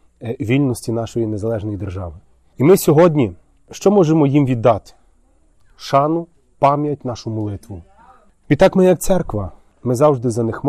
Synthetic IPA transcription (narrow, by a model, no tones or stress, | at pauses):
ʋʲilʲnɔsʲtʲinɑʃɔjinezɐlˠɛʒnɔjid̪erʒɑ̰ʋɪ | imɪsʲɔɦɔdʲnʲi | ʃt͡ʃɔmɔʒemɔjimʋʲid̪ːɑt̪ɪ̥ | ʃɑnʊ | pɑmjɐtʲnɑʃʊmɔlˠɪt̪ʋʊ | ʋʲit̪ɑkmɪjɐk̚t̪sɛrkʋɐ | mɪzɑwʒd̪ɪzɐnɪxm